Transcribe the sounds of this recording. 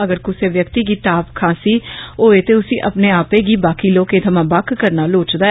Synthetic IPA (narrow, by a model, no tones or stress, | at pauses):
əɡəɾkʊseːʋjəkt̪iːɡiːt̪aːpkʰãːsiːoːeːt̪eːʊsĩːʔəpneːaːpeːɡiːbaːkiːloːkeːt̪ʰəmãːbaːkkəɾnaːloːt͡ʃd̪aː